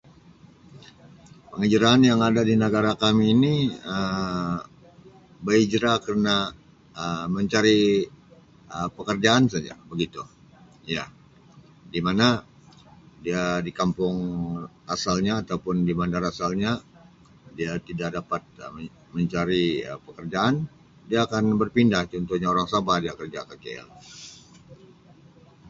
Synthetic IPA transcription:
pəŋid͡ʒɾaanjaŋadadinəɡaɾakamiːniə | bəid͡ʒɾakərəna | əməɲt͡ʃaɾi | əpəkərd͡ʒaːnsad͡ʒa̰bəɡit̪u | ja | dimana | diadikampʊŋ | asalɲaːt̪aupʊndimandaɾasalɲa | diat̪idaʔ̚dapat̪̚ə | məɲt͡ʃaɾiə̰pəkərd͡ʒaːn | diaːkanbərpindaht͡ʃɔnt̪ɔhɲaoɾaŋsabahdiakərd͡ʒakakeɛ̰l

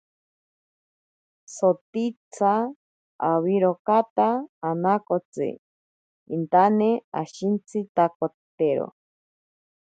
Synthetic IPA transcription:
sot̪it͡sʰaː | wiɾokat̪aːnakot͡sɨ̰ | int̪anea̰ʃint͡sʰɨt̪akot̪eɾo̰

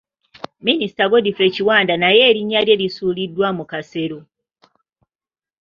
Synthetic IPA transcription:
minisi̥taɡo̞dife̞ːciwaːndanaje̞ːɾiɲːalje̞lisuːlidːwamukase̞ɾo

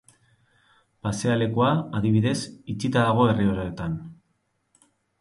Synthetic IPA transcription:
pase̞ale̞kuaːðiβ̞iðe̞sit͡sit̪aðaɣ̞o̞e̞rio̞ɾoet̪an

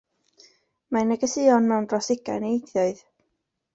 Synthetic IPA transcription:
manəɡəsɨɔnmɛwndrɔsɪɡa̰jneejθjɔɨð

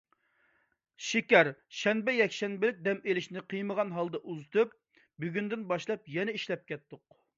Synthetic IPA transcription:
ʃikʲæɾʃɛnbɛjɛkʲʃɛnbɪlɪk̚ʲd̪ɛmelɪʃnɪqʰɨjməʁɑnɦɑlˠd̪ɑʔuzɨt̪ʰɨp̚ | byɡʲynd̪ɪnbɑʃlˠɑpjɛnɛiʃlɛp̚kʲɛt̪ːʊq̚

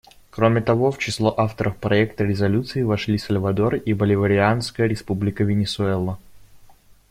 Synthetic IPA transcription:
kɾomʲɪt̪ɐvo̞ft͡ɕɪslˠoʔaft̪əɾəfpɾɐɛk̚t̪əɾʲɪzɐlʲut̪sɨɪvɐʂlʲisəlʲvɐd̪o̞ribəlʲɪvəɾʲɪanskəjəɾʲɪspublʲɪkəvʲɪnʲɪsʊɛlˠə

